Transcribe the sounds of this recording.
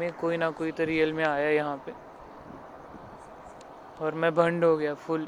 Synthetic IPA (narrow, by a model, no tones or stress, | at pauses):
ẽkoːinakoːit̪oɾijəlmẽaːjajɐɦãpe | ɔːɾmɛ̃bʱɐ̃ɳɖɦoɡɐjafʊl